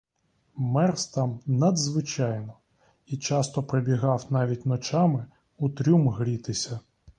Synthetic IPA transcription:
mɛrst̪ɑmnɐd̪zʋɪt͡ʃɑjnɔ | it͡ʃɑst̪ɔpɾebʲiɦɑwnɑʋʲit̚ʲnɔt͡ʃɑmɪ | ut̪ɾʲumɦɾʲit̪ɪsʲɐ

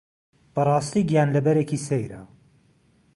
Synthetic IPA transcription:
b̥ɐrˤɑːst̪iːɡjaːnlɐbɛɾeːkiːsejɾɐ̰

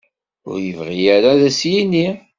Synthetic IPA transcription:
ʊ̰ɾjəvʁijaɾaðæsjini

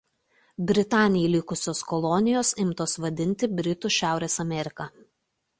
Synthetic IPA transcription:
bʲɾʲɪt̪ɑːnʲɪjɛlʲɪkʊsʲoːskɔlˠɔnʲɪjoːsɪmt̪oːsʋɐd̪ʲɪnʲt̪ʲɪbʲɾʲɪt̪uʃʲæˑʊɾʲeːsɐmʲɛɾʲɪkɐ

